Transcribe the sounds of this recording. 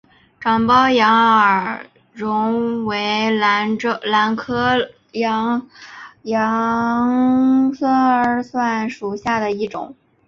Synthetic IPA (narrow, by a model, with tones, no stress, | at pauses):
ʈ͡ʂɑ˨˩ŋpɑ˥ʊjɑ˧˥ŋə˞˨˩ | ɻʊ˧˥ŋwe˧˥ɪla˧˥n˧la˧˥nkʰɤ˥ | ɑ˧˥ŋ | jɑ˧˥ŋsə˧˥swa˥˩nʂu˨˩ɕja˥˩d̪ə˩i˥˩ʈ͡ʂʊ̰˨˩˦ŋ